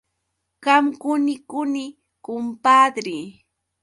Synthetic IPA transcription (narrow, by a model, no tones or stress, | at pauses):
ɢamkʊnɪkʊnɪ | kʊmpaːd̪ɾiː